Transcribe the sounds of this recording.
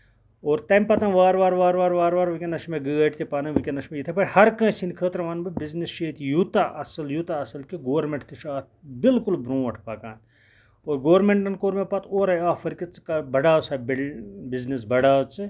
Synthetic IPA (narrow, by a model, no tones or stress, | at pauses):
oːɾt̪ɐmpɐt̪ɐ̃nʋaːɾʋaːɾʋaːɾʋaːɾʋaːɾʋaːɾʋɨkʲenɐʃmeɡɨɡɐʈt̪ʲipaːnɐ̃ʋɨkʲenɐʃmejit̪ʰɐpɐʈhɐɾkə̃ːsinkʰəːt̪ɾɐʋaːnbɨbiznisʃeːt̪jut̪aʔɐsɐljuːt̪aɐsɐlkiɡoːɾmẽɳʈt̪iʃʰaːt̪̚bɪlkulbɾõːʋɐʈʰpaːka̰ːn | oːɾɡoːɾmẽɳʈɐnkoːɾmẽpɐt̪oːɾɐjaːfɐɾkit͡skɐbɐɖaːsɐbbiznis̬bɐɖaːt͡sɨ